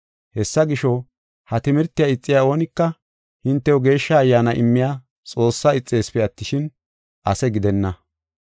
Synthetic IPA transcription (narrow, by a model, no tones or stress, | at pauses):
hɛsːɐɡɪʃɔ | hɐt̪ɪmɪɾt̪ːɪjaɪt͡sʼːɪjao̞ːnɪkːɐ | hɪnt̪ːɛwɔɡe̞ːʃːɐːjːaːnɐʔɪmːɪjaː | t͡sʼo̞ːsːaɪt͡sʼːe̞ːspɛɐt̪ːɪʃɪn | ʔɐsɛɡɪd̪ɛnːɐ